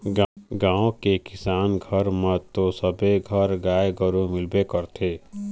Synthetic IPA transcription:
ɡɡãːõkekɪsaːnɡʱəɾmət̪osəbeɡʱəɾɡaːjɡəɾumɪlbekəɾt̪ʰeː

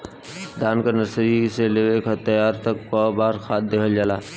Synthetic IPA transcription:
d̪aːnkanəsɾiseleʋekat̪əjaːɾt̪əkpaːbaːɾxaːt̪̚d̪eːkʰəld͡ʒaːlaː

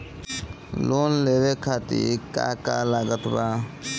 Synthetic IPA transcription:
lonlebekʰat̪ḭɾka̰kalaɡət̪ba

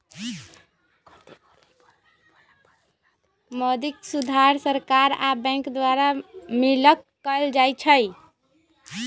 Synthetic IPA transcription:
mɔd̪iksud̪ʱaɾsəɾkaɾa̰bɛ̃ŋkd̪waɾamiləkːəld͡ʒajt͡ʃʰəj

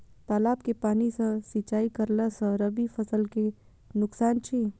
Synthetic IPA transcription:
t̪aːlaːb̚kepaːnisə̃sit͡ʃaːikɐɾlasə̃ɾɐbifʰɐsəlke | nʊksaːnt͡ʃʰiː

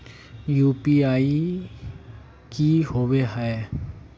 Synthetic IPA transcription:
juːpiaːi | kiɦoʋeɦɛe

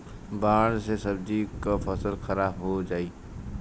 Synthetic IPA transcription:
bãːɽsesɐbd͡ʒikafəsəlxɐɾaːbɦod͡ʒaːiː

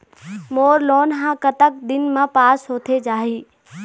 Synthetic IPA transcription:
moːɾloːnɦãkət̪ək̚d̪ɪnmãpaːsɦoːt̪ʰed͡ʒaːɦiː

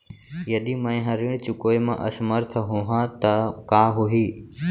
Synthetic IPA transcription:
jɐɗ̪iːmə̃ĩɦəɾiɽ̃t͡ʃʊkoːemã̰ːʔɐsməɾt̪ʰəɦuɦãt̪əkaːɦʊɦiː

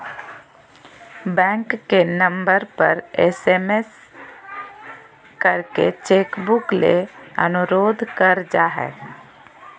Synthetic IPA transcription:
bɛ̃ŋkːenəmbəɾpə̰ɾesemes | kəɾkḛt͡ʃekbukleə̰nuɾoːd̪ʱkəɾd͡ʒaɦɛ̰

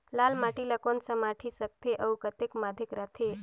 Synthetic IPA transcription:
lalmaʈilakonsəmaʈʰisək̚t̪ʰeʔəwkət̪ekmad̪ʱekɾat̪ʰe

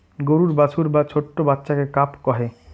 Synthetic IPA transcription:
ɡoɾuɾbat͡ɕʰuɾbat͡ɕʰoʈːobatːɕakekapkɔɦe

